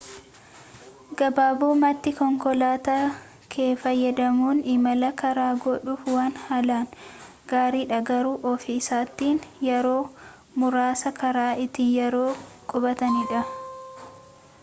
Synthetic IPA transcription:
ɡɐbaːbuːmɐt̪ːɪkɔŋkɔlaːt̪a | kʰeːfɐjːɐd̪ɐmuːnɪmɐlɐkɐɾaːɡɔᶑuːfwaːnhɐlaːn | ɡ̥aːɾiːᶑɐɡɐɾuːʔɔfɪɪsaːt̪ːiːnjɛɾo̞ː | mʊɾaːsɐkɐɾaːɪt̪iːnjɛɾoːkʼɔbɐt̪ɐniᶑɐ

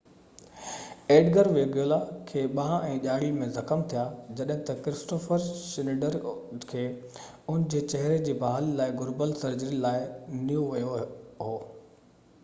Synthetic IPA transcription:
eːɖɡəɾʋeɡjoːlakʰeːɓããɛ̃ːʄaːɽimẽzɐxəmt̪ʰijaːd͡ʑɐɗɦɪ̃t̪ɐkɾɪsʈoːfəɾsɪnɪɖəɾkʰeː | ʊnɪ̆d͡ʑeːt͡ɕɐɦɪɾed͡ʑiːbaːɦəllaːɪɡʊɾbəlsɐɾd͡ʑəɾilaːɪnijũʋɐjoɦoː

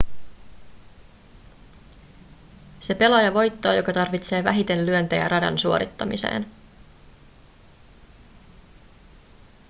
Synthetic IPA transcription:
se̞pe̞lɑjɑʋo̞jt̪ːoːjo̞̰kɑt̪ɑrʋit̪se̞ːʋæ̰ɦit̪e̞nlyønt̪ejæ̰rɑdɑ̰nsuo̞ɾit̪ːɑmisḛːn

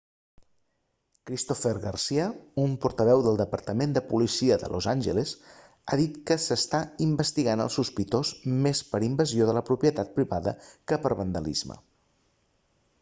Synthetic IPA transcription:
kɾist̪ofəɾɣərsiəumpuɾt̪əβ̞ɛwðəlˠd̪əpəɾt̪əmend̪əpulisiəðə̰lʔozanʲʒəlez | aðit̪kəsəst̪aimbəst̪iɣanə̰lˠsuspit̪ozmespəɾimbəzioðələpɾupiət̪at̪̚pɾiβaðə̰kəpəɾβənd̪ə̰lḭzmə̰

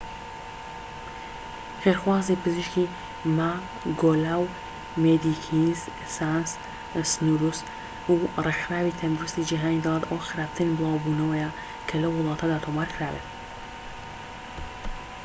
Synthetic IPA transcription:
xeːɾxwaːzipɨziʃki | ma | ɡolaw | med̪ikʰinz | sans | snuɾus | urexɾaːwiːt̪ʰɐnd̪uɾust̪id͡ʒiɦaːniːd̪ɑlˠat̪ɐwxɨɾaːft̪ʰɨnbɨlˠɑːwbuːnɐwɐja | kʰɐlɐwːʊlˠɑːt̪ʰɐd̪aːt̪ʰomaːɾkʰɾaːbḛːt̪̚

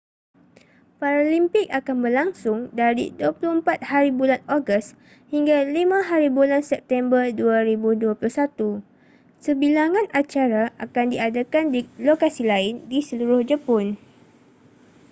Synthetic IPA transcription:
paɾalimpɪk̚akanbərlaŋsʊŋdaɾḭduapulʊhəmpat̪̚haɾibulanoɡəs | hiŋɡalimãɦaɾibulansɛp̚t̪ɛmbərduaɾibuduapulʊhsat̪u | səbilaŋãnʔat͡ʃaɾaʔakandiadakandilokasilaɪndisəluɾʊhd͡ʒəpɔn

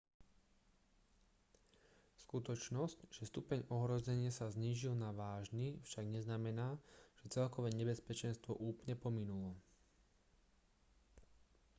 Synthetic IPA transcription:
skut̪ɔt͡ʃnɔscʒ̥ɛst̪upɛɲɔɦɾɔzɛɲɪasazɲiːʒilnaʋaːʒnifʃaɡɲɛznamɛnaːʒ̥ɛt͡sɛlkɔʋɛːɲɛbɛspɛt͡ʃɛnst̪ʋɔʔuːpɲɛpɔminulɔ

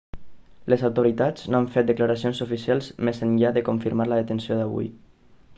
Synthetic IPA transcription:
lezawt̪oɾit̪ad͡znoaɱfet̪̚d̪əklaɾasionsufisialˠzmezənʎaðəkuɱfiɾmaɾləðət̪ənsioðaβṵj

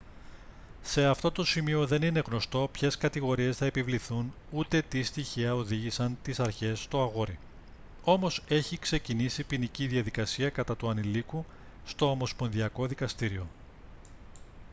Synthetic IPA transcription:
se̞ɐft̪o̞t̪o̞simio̞ðe̞nine̞ɣno̞st̪o̞pçe̞skɐt̪iɣo̞ɾie̞sθɐepivliθun | ut̪e̞t̪ist̪içiɐoðiʝisɐnt̪isɐɾçe̞st̪oɐɣo̞ɾi | o̞mo̞se̞çikse̞cinisipiniciðiɐðikɐsiɐkɐt̪ɐt̪uɐniliku | st̪o̞ːmo̞spo̞nðiɐko̞ðikɐst̪iɾio̞

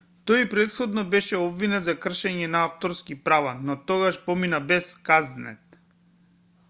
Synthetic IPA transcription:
t̪ɔjpɾɛt̪xɔd̪nɔbɛʃɛɔbvinɛt̪zakr̩ʃɛɲɛnaaft̪ɔɾskipɾavanɔt̪ɔɡaʃpɔminabɛskaznɛ̰t̪

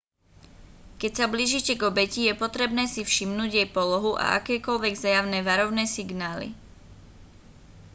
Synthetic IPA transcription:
kɛcsabliːʒicɛɡɔbɛcijɛpɔt̪ɾɛbnɛːsifʃimnuːɟjɛjpɔlɔɦuʔa̰ʔa̰kɛːkɔlʋɛɡzajaʊnɛːʋaɾɔʊnɛːsiɡnaːlḭ

